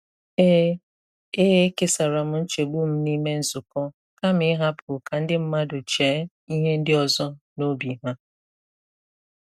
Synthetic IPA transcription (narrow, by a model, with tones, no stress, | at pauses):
e˦ | e˦e˦ke˦sa˨ɾa˨m̩˦n̩˦t͡ʃe˨ɡ͡bu˦m̩˦ni˦me˦n̩˦zʊ˨kɔ˦ | ka˦mɪ˦ɦa˦pʰʊ˨ka˨n̩˦dɪ˦m̩˦ma˦do˨t͡ʃeː˨˦ | i˦ɦe˦n̩˦dɪ˦ɔ˨zɔ˦no˦bi˨ɦa˦